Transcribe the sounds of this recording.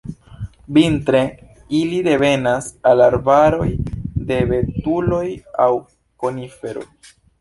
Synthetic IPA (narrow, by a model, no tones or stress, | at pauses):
bintɾe̞ | ilide̞ve̞nasalaɾbaɾo̞jde̞ve̞tulo̞jaw | ko̞nife̞ɾo̞j